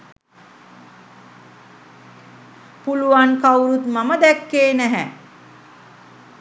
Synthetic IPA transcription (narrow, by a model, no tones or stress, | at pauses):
puluʋankawɾut̪maməd̪ækːeːnæɦæ